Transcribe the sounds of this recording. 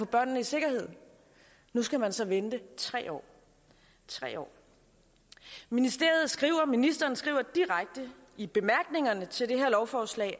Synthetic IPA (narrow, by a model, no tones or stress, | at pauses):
fɒ̽b̥ɶɐ̰nːəise̝ɡ̥ɐhe̝ð̞̰ˠ | nusɡ̥æmænsɒ̽ʋend̥ət͡sʰʁɛ̰ːɒ̰ː | t͡sʰʁɛ̰ːɒ̰ː | minisd̥e̝ɐð̞̩ˠsɡ̥ʁḭʊɐminisd̥ɐːn̩sɡ̥ʁḭːʊ̰ɐd̥iʁaɡ̥̚d̥ə | ib̥e̝mæɐɡ̥ne̝ŋɐnət͡sʰe̝ld̥e̝ɦeɐlɒʊfɒːslɛ̰ɪ